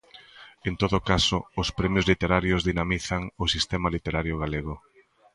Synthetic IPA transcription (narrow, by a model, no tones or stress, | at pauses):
ent̪oðʊkasʊʊspɾɛmjʊzlit̪eɾaɾjʊzðinamiθaŋʊsist̪ɛmalit̪eɾaɾjoɣaleɣʊ